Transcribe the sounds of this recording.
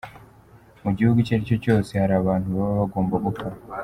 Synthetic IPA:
muɟihuɡuceɾico̞co̞ːsehaɾaːβaːntuβaββaɡo̞ːmboβoka

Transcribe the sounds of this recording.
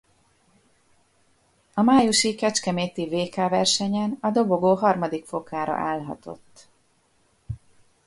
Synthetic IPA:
ɒmaːjuʃikɛt͡ʃkɛmeːt̪iveːkaːvɛrʃɛɲɛnɒd̪o̞boɡoːɦɒrmɒd̪ikfo̞kaːɾɒ̰ʔaːlɦɒ̰t̪o̞̰t̪ː

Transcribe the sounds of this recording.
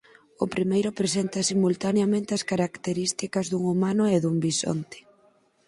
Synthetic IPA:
ʊpɾimejɾʊpɾesent̪ɐsimult̪aneamẽnt̪eɐskaɾakt̪eɾist̪ikɐzðuŋumanʊeðuŋbiso̰nt̪e̥

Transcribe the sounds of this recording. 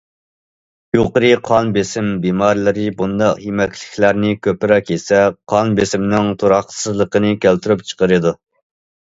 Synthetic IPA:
joqəɾɨqʰɑnbesɪmbimɑɾlˠɨɾɨbund̪ɑqjemɛkʲlɪkʲlæɾnɪkʲʰøpɪɾɛkʲesɛqʰɑnbesɪmnɪŋt̪ʰoɾɑχsɨzlˠəqənɨkʲælt̪ɾypt͡ʃʰə̥qəɾɨd̪u

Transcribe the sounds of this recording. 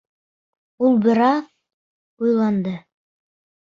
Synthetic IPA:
ulˠbɘ̆ɾɑð | ujlˠɑnd̪ɤ

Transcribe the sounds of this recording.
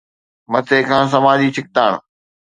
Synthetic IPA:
mɐt̪ʰeːkʰãːs̬ɐmaːd̪iːt͡ɕʰɪk̚t̪aːɽ̃

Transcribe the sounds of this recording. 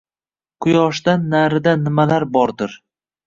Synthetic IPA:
qʰʊjɒʃd̪anːaɾɪd̪anɪmalaɾbɒɾd̪ɪɾ

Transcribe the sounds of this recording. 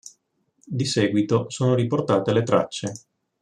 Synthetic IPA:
d̪isɛːɡwit̪osoːnoɾiport̪aːt̪elet̪ɾa̰t͡ʃːe

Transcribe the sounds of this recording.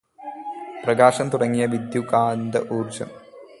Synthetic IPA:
prɐɡaːʂɐmt̪uɽɐŋːijɐʋid̪jukaːnd̪ɐʔuːrd͡ʑɐ̰m

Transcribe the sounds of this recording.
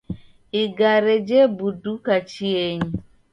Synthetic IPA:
iɡaɾed͡ʒebudukat͡ʃieɲi

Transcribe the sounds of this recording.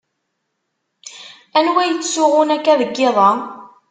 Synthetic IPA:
ænwæjət͡sːsʊʁʊnækːæðəɡːeðˤɑ

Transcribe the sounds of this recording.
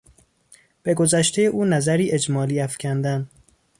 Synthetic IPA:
b̥e̞ɡo̞zæʃt̪ʰejeʔuːnæzæɾiːʔe̞d͡ʒmɒːliːæfcʲʰænd̪æn

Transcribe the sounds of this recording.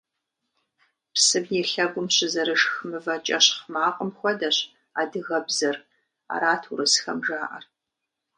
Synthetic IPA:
psɨbjɛɬɐɡʷʊmɕɪzɐɾɨʂxɨmɨvɐt͡ʃʼɐɕχmaːqʼəmxʷɔdɐɕ | aːdɨɣɐbzɐr | a̰ɾaːtʰuɾɨsxɐmʒaːʔɐ̰r

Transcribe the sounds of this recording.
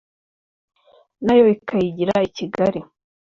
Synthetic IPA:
najo̞ikajiɟiɾaiciɡaɾi

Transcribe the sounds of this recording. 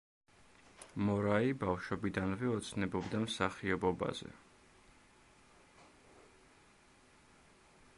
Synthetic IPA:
mɔɾaibafʃɔbid̪anvɛɔt̪sʰnɛbɔbd̪amsaχiɔbɔba̰zɛ̰

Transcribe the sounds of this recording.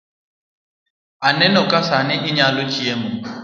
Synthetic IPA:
anɛnɔkʼasanɪʔɪɲalʊt͡ʃʼiɛmʊ

